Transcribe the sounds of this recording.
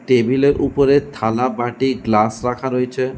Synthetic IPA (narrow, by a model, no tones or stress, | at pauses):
ʈebileɾʔupoɾet̪ʰalabaʈiɡlasɾakʰaɾoet͡ɕʰe